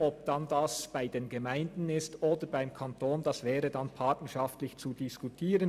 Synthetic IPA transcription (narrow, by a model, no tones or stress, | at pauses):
ɔbd̥ɑndɑsb̥aɪdeːnɡɛmaɪndn̩ɪstoːdəbaɪmkʰɑntʰoːndɑsv̥ɛːʁədɑnpʰɑtnəʃɑftlɪçt͡sudiskutʰiːʁən